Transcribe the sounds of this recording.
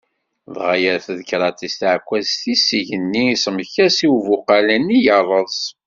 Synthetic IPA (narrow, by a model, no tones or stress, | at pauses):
ðʁajæθðkɾˤɑt̪ist̪ʕkʷːæzθisiʝənːisəmçæsiwvʊqɑlənijərˤːəzˤ